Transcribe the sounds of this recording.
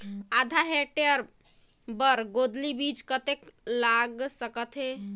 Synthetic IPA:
ad̪ʱaɦeʈeəɾ | bəɾɡod̪libid͡ʒkət̪eklaɡsəkət̪ɦe

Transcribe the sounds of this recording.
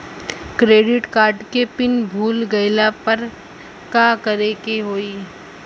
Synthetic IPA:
kɾeːɖɪʈkaːɾɖkepɪnbʱuːlɡɐɪlapɐɾ | kaːkɐɾeːkeɦoːi

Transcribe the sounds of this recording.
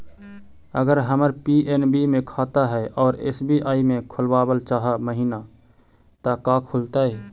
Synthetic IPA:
əɡəɾɦəməɾpiʔenbimẽkʰat̪aɦɛʔɔːɾɪḛsbʱiʔaːimẽkʰʊlbaːbəlt͡ʃaɦəməɦina | t̪akakʰʊlt̪aɛ

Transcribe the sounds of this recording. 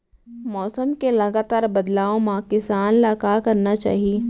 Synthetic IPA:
mɔːsəmkelɐɡaːt̪aːɾbɐd̪laːõmãːkɪsaːnlaːkakɐɾnat͡ʃa̰ːɦieː

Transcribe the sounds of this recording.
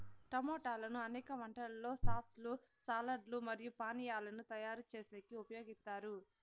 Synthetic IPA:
ʈɐmɔːʈaːlɐnuɐnɛːkɐʋɐɳʈɐllːo̞ːsaːslusaːlɐɖlumɐɾijupaːnijaːlɐnut̪ɐjaːɾut͡ʃeːseːkiupɐjo̞ːɡist̪aːɾu

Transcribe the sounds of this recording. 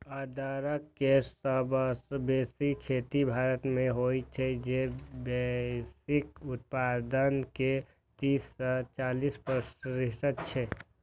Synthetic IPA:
aːd̪ʱaːɾəkːesəbsbeːsikʰeːt̪ibʱaːɾət̪mẽɦoit͡ʃʰɛd͡ʒebɛsɪkʊt̪̚paːd̪ənke | t̪iːsːɔt͡ʃaːliːspɾəsɾɪʃət̪̚t͡ʃʰɛ

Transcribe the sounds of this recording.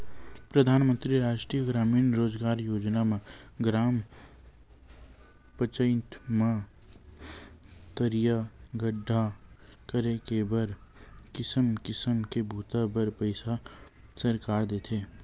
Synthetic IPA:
pɾəd̪ʱaːnmə̃nt̪ɾiɾaːʃʈɾijəɡɾaːmiːnɾoːd͡ʒɡaːɾjoːd͡ʒnamẽɡɾaːm | pət͡ʃə̃ɪnt̪ʰma | t̪əɾjaɡəɖʱːakəɾekebəɾkɪsəmkɪsəmkebʱuːt̪abəɾpəɪsa | səɾkaːɾd̪eːt̪ʰeː

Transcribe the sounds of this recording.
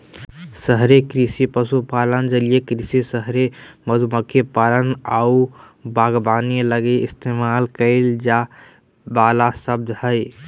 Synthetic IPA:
səɦɾekɾisipəsupalənd͡ʒəlijekɾisisəɦɾeməd̪ʱuməkʰːjepalənau | baɡbaniləɡeist̪ʰemalkəɪld͡ʒa | balasəb̚d̪ʱhəj

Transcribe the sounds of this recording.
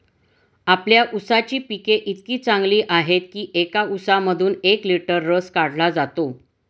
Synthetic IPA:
apljaʔusat͡ɕiːpikeʔit̪kiːt͡saŋɡliːʔaɦet̪̚kiːʔekausaməd̪ʱuːnekliʈəɾːəskaɽ̤lad͡zat̪o

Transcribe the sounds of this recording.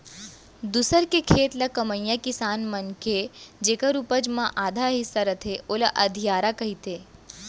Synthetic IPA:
d̪usəɾkekʰeːt̪lɐkɐməjjakɪsaːnmɐnked͡ʒeːkɐɾupəd͡ʒmãʔaːd̪ʱaɦisɐɾɐt̪ʰeʔoːlɐʔɐd̪ʱijaːɾakɐɦit̪eː

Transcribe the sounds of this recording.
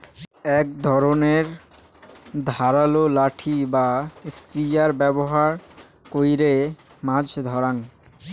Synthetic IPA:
ɛk̚d̪ʱɔɾoneɾ | d̪ʱaɾalolaʈʰibaspid͡ʑaɾbɛboɦaɾ | kojɾe | mãd͡ʑʱd̪ʱɔɾaŋ

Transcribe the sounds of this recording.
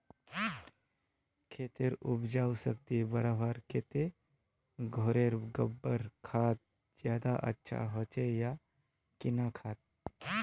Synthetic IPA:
kʰeːt̪eɾʊbd͡ʒaːwsək̚t̪ibəɾabaːɾkʰeːt̪e | ɡʱoːɾeɾɡəbːəɾkʰaːt̪̚ | d͡ʒjaːd̪aʔə̰tːʃʰa̰ɦot͡ʃeja | kɪnakʰaːt̪̚

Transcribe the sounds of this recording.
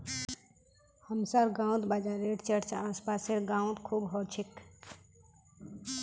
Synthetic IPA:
həmsaɾɡãw̃t̪bad͡ʒaɾeʈt͡ʃəɽt͡ʃʰaːspaːseɽɡãːw̃t̪kʰuːbɦɔt͡ʃʰik

